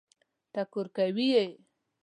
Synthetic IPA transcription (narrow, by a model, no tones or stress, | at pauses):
t̪akʊɾkawijej